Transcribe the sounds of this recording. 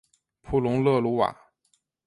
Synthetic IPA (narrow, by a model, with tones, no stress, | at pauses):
pʰu˥˩lʊ˧˥ŋlɤ˥˧lu˧˥wa̰˨˩˦